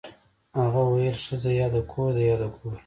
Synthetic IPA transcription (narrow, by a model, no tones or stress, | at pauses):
haɣawajəlʂəzajɑd̪akʰoɾd̪ajɑd̪akʰo